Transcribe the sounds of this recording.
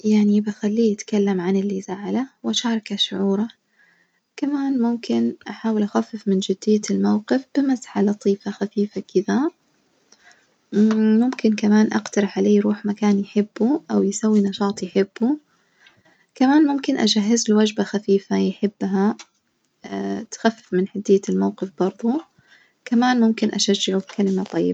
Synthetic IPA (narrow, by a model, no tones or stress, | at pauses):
jaʕnibaxalːiːʔat̪kalːamʕanɪlːisaʕalawʔaʃɑːɾˤɑkaʃʊʕuːɾˤɑ | kamaːnmʊmkɪnʔaħaːwɪlʔaxafːɪfmɪnd͡ʒɪd̪ːɪjːlmawqɪfb̥ɪmasħalɑt̪ˤiːfaxafiːfakɪða | mʊmkɪnkamaːnʔaqt̪ɑɾˤɪħʕaleːjɾuːħmakaːnjħɪbːuʔawjɪsawːinɑʃɑːt̪ˤjħɪbːu | kamaːnmʊmkɪnʔad͡ʒaɦːɪzɪlwad͡ʒbaxafiːfajħɪbːɦa | t̪xafːɪfmɪnħad̪ːɪjːalmawqɨfb̥ɑɾˤðˤʊ | kamaːnmʊmkɪnʔaʃad͡ʒːɪʕubkʰalɪmat̪ˤɑjːɪba